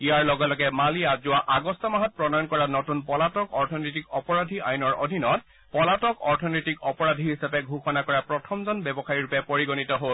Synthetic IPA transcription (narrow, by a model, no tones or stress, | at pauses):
ijaɹlɔɡɛlɔɡɛmaliazʊwaʔaɡɔstɔmaɦɔt̚pɹɔnɔjɔnkɔɹanɔtunpɔlatɔkɔɹtʰɔnitikɔpɔɹadʱiajnɔɹo̰dʱinɔt̚ | pɔlatɔkɔɹtʰɔnɔtikɔpɔɹadʱiɦisapɛɡʱuxɔnakɔɹapɹɔtʰɔmzɔnbɛbɔxaɹiɹupɛpoɹiɡonitɔɦol